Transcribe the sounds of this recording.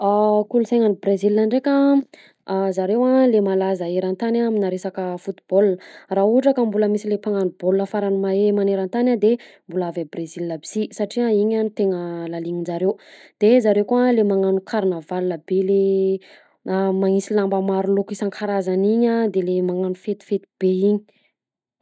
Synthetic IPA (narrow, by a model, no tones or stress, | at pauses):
akulusajŋanibrezilːaɳɖ͡ʐeka | zaɾewalemalazaeɾant̪anaaminaɾesakəfut̪i̥b̥olnrauuʈ͡ʂakəmbuləmisilepaŋanubolnəfaɾanumaemaneɾant̪anʲad̪embulaavabrezilːəbi̥sisaʈ͡ʂiaiɲanit̪eŋəlaliɲid͡ʒaɾewd̪̥ezaɾewkualemaŋanukʰaɾinavalnəbele | maŋisilambəmaɾulokisaŋkʰaɾazaniɲad̪elemaŋanufet̪u̥fet̪u̥b̥eiɲi